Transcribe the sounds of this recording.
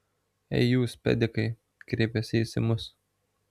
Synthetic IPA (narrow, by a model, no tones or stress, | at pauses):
ɛ̰ɪjuːspʲɛ̰d̪ʲɪkɐɪ | kɾʲeːpʲɛsʲɪisʲɪmʊs